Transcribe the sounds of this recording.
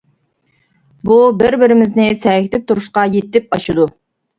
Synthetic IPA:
bubɪɾbɪɾɪmɪznɪsɛkʲɪt̪ʰɪp̚t̪ʰuɾʊʃqɑjet̪ːɪp̚ɑʃɨd̪u

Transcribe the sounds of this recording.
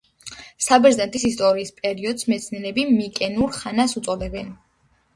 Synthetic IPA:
sabɛɾzɛnt̪ʰʼisist̪ʼɔɾiːspʼɛɾiɔd̪smɛt̪sʰniɛɾɛbimikʼɛnuɾχanasut̪sʼɔd̪ɛbɛn

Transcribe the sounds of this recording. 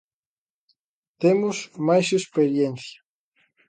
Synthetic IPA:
t̪emozmajsespeɾjenθja

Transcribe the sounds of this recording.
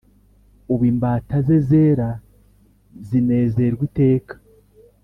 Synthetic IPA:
uβiːmbaːtazeze̞ɾa | zine̞ːze̞ɾɡwite̞ːkḁ

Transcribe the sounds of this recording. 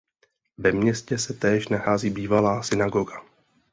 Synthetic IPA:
vɛmɲɛscɛsɛt̪ɛːʃnaxaːziːbiːvalaːsɪnaɡoɡa

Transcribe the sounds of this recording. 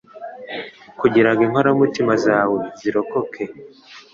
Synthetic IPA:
kuɟiɾaɡimhoɾaumutimazaːwe̞ziɾo̞ko̞kʰe̞

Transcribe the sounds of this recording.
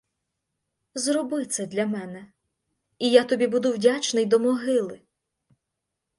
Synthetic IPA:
zrɔbɪt̪sɛd̪lʲɐmɛnɛ | ijat̪ɔbʲibud̪ʊwdʲat͡ʃnɪjd̪ɔmɔɦɪlˠɪ

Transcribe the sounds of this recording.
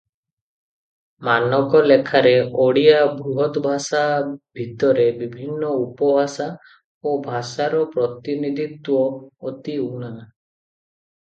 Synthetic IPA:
manɔkɔlekʰaɾeoɽiabʱɾuɦɔt̪ɔbʱasabʱit̪ɔɾebibʱinːɔupɔbʱasa | obʱasaɾɔpɾɔt̪inid̪it̪wɔɔt̪iuɽ̃a

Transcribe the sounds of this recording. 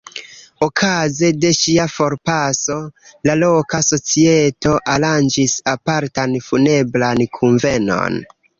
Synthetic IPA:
okʰaze̞de̞ʃiafo̞ɾpaso̞lalo̞kaso̞t͡sieto̞ʔaland͡ʒisapaɾtanfune̞blankʰuɱve̞no̞̰n

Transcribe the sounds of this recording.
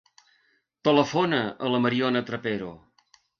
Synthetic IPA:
t̪ələfonəələməɾionət̪ɾəpeɾo

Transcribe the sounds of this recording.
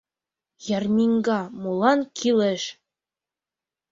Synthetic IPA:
jɑɾmʲiŋɡɑmulˠɑnkʰilɘʃ

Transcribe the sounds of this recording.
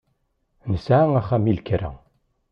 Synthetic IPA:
nəsʕaŋæχæmilkəɾə̰

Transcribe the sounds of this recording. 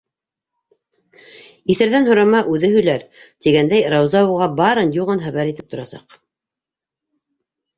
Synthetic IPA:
iθɘ̆ɾðænɦŏɾɑmɑʔʉðɘɦɵ̆jlæɾt̪iɡænd̪æjɾɑwzɑuʁɑbɑɾɤnjuʁɤnχæβæɾit̪ɘp̚t̪ŏɾɑsɑ̰q

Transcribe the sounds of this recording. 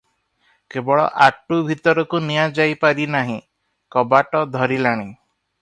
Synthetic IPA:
kebɔɭɔ̰ʔaʈubʱit̪ɔɾɔkunijad͡ʒajpaɾinaɦĩ | kɔbaʈɔd̪ʱɔɾilaɽ̃i

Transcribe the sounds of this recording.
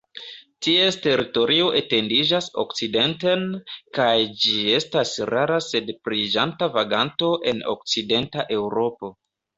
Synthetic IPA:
tie̞ste̞ɾito̞ɾio̞ʔete̞ndid͡ʒaso̞̰kt͡side̞nte̞nkajd͡ʒie̞stasɾaɾase̞dpɾid͡ʒantavaɡanto̞ʔe̞no̞̰k̚t͡side̞ntaʔe̞wɾo̞po̞

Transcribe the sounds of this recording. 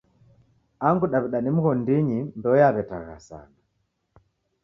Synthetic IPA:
aŋɡuɗaβiɗanim̩ɣɔndiɲindɔjaβɛtaɣa̰sa̰na

